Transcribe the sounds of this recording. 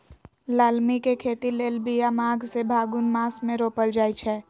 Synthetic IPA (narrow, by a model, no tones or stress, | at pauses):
laːlmikekʰeːt̪ileːlbijamaːɡsebʱaːɡunmaːsmẽɾoːpəld͡ʒaːit͡ʃʰɛː